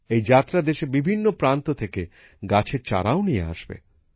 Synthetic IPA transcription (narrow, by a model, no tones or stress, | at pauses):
ejd͡ʑat̪ːɾad̪eʃebibʱinːopɾant̪ot̪ʰeke | ɡat͡ɕʰeɾt͡ɕa̰ɾaonijḛa̰ʃbḛ